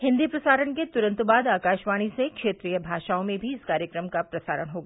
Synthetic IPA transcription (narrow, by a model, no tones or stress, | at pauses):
ɦɪ̃nd̪ipɾɐsaːɾəɳket̪ʊɾə̃nt̪ubaːd̪aːkaːʃʋaːɽ̃isekʃeːt̪ɾijəbʱaːʃaːõmẽbʱiɪskaːɾjəkɾəmkapɾɐsa̰ːɾəɽ̃ɦoːɡaː